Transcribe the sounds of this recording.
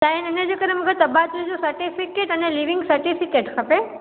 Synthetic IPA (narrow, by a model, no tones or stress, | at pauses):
t̪ainəned͡ʒokəɾeməɡət̪əbat̪ɾid͡ʒosəɾʈifikeʈəneliʋiŋɡsəɾʈifikeʈkʰəpe